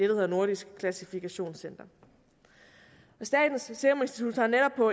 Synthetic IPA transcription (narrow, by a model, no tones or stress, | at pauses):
d̥eɾ̥eheðˠɐno̝ɐɾ̥isɡ̥kʰlæsifikʰæɕo̝̰ːnsen̰d̥ɐ | ɒ̽sd̥ɛ̰ːd̥n̩sseme̝nsd̥i̥t͡sʰud̥sɑ̈neɾɒ̽b̥̚pʰɒ̽